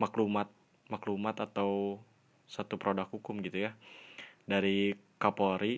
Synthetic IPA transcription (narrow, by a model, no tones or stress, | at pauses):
maklumat̪̚ | maklumat̪at̪aw | sat̪upɾodakhukʊmɡit̪uja | daɾikapoɾi